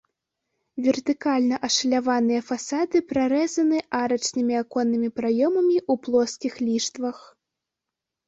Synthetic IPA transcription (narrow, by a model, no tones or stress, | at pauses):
vʲɛrt̪ɨkalʲnɐʔɐʂɐlʲavanɨjɐfasad̪ɨpɾaɾɛzɐnɨʔaɾɐt͡ʂnɨmʲiakɔnːɨmʲipɾajɔmɐmʲiʔuplˠɔskʲixlʲiʂt̪vɐx